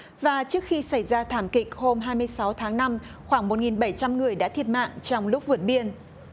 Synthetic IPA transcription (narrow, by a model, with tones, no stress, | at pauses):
vaː˨˩t͡ɕɨ˦˥k̚xi˧sa˧˩jzaː˧t̪ʰaː˧˩mkï˨˩k̚ho˧mɦaː˧jmɨ˧əjsa˨˦wt̪ʰaː˨˦ŋna˧m | xwaː˧˩ŋmo˨˩t̚ŋi˨˩nɓə˧˩jt͡ɕa˧mŋɨ˨˩əjɗa̰ː˧˥t̪ʰi˨˩ət̚ma̰ː˧˨ŋt͡ɕɔ˧wŋ͡mlʊ˦˥k͡p̚vɨ˨˩ət̚ɓi˧ən